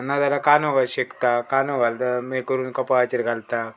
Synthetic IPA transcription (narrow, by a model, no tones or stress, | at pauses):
nːad̪alakanõɡaɕekt̪akanõɡʱalt̪amekəɾuːnkɐpaat͡ɕiɾɡalt̪a